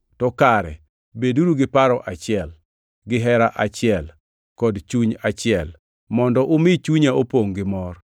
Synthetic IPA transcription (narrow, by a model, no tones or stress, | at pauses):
tɔkaɾɛ̰ | beduɾuɡɪpaɾɔʔat͡ʃɪɛl | ɡɪɦɛɾaʔat͡ʃɪɛl | kɔdt͡ʃuɲat͡ʃɪɛl | mɔndɔʔʊmɪt͡ʃuɲaopoŋɡɪmɔr